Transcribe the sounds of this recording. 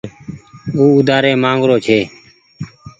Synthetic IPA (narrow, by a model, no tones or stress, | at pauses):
uːʊd̪aːɾeːmãːŋɡɾoːt͡ʃʰeː